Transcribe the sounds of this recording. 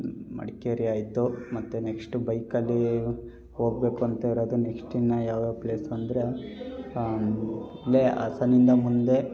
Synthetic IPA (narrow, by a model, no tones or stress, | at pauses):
mɐ̰ɽkeɾijaːjid̪ːumɐt̪ːune̞ksʈubɐjkɐlːi | ɦo̞ːɡ̚be̞ːkuɐnt̪ɐiɾoːd̪une̞ksʈinːɐjaːʋd̪oːple̞ːsɐnd̪ɾe̞ | ilːeʔɐ̰sɐnind̪ɐmund̪e̞